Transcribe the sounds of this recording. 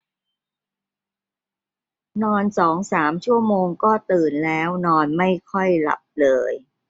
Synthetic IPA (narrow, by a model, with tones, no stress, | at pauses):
nɔː˧nsɔː˩˦ŋsaː˩˦mt͡ɕʰu˥˩əmoː˧ŋkɔː˥˩t̪ɯː˨˩nlɛː˦˥wnɔː˧nma˥˩jkʰɔ˥˩jla̰˨˩p̚lɤː˧j